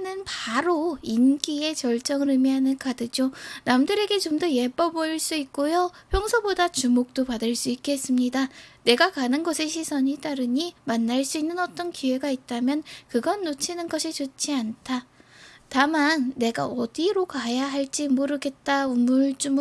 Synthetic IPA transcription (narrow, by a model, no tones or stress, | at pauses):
nɯnpaɾoinɡie̞t͡ɕʌɭt͡ɕ͈ʌŋɯɾɯmiɦanɯnkadɯd͡ʑjonamdɯɾe̞ɡe̞t͡ɕomdʌje̞p͈ʌboiɭs͈uik̚k͈ojopʰjʌŋsʰʌbodat͡ɕumok̚t͈opadɯɭs͈uik͈e̞s͈ɯmɲidane̞ɡakanɯnɡʌsʰe̞ɕʰisʰʌɲit͈aɾɯɲimanːaɭs͈uinːɯnʌt͈ʌnkiwe̞ɡait̚t͈amjʌnkɯɡʌnːot͡ɕʰinɯnɡʌɕʰit͡ɕot͡ɕʰiantʰatamanːe̞ɡaʌdiɾokajaɦaɭt͡ɕ͈imoɾɯɡe̞t̚t͈aumɯɭt͡ɕ͈um